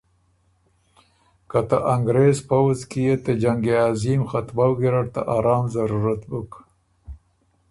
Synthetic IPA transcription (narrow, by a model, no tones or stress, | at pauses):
kat̪aʔaŋɡɾezpawzkijet̪ed͡ʒaŋɡeɑzimxat̪mawɡiɾaɽt̪a̰ʔaɾɑːmzaɾuɾat̪buk